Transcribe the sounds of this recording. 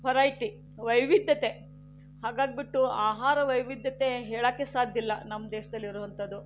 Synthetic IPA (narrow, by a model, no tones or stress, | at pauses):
pɐɾajʈi | ʋɐjʋid̪jɐt̪e̞ | haːɡaːɡ̚biʈːuaːɦaːɾɐʋɐjʋid̪jɐt̪e̞ɦeːɭaːkːesaːd̪ʱjilːɐnɐmːɐd̪eːʃɐd̪ɐlːiɾuːʋɐnt̪ɐd̪ːu